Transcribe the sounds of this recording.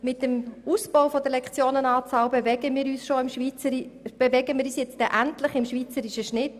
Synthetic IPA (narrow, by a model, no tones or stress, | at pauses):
mɪt̚dəmusb̥owfod̪əlɛkχt͡sjoːnənɑːt͡sɑːwbevɛɡəmiːɾyːsʃoɪmʃit͡səb̥evɛɡəmiːɾyːsjɛt͡std̥ɛʔæntlɪχɪmʃʋiːt͡səɾiʃəʃnɪt